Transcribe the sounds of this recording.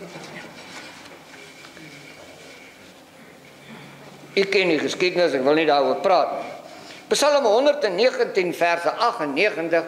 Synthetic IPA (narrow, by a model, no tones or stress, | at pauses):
ykɛndiχəskidənəsækvəlˠnidɑːɾuərprɑːtnipəsɐləmɦɔndərtɛnːiəχəntinfærsəʔɐχɛnːiəχəntəχ